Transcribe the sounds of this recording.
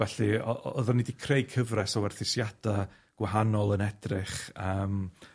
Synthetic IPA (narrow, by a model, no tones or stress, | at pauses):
vɛɬiɔ̰ʔɔɔðanidikʰrejkʰəvrɛsɔwɛrθɪsjad̥a | ɡ̥waɦanɔlˠənɛd̥rɪχəːm